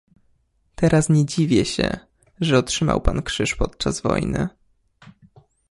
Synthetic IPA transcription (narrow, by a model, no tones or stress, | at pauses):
t̪ɛɾasɲɛd͡ʑivʲjɛɕɛ̰ | ʐɛɔtʂɘma̰wpankʂɘʂpɔt̪̚t͡ʂazvɔ̰jnɘ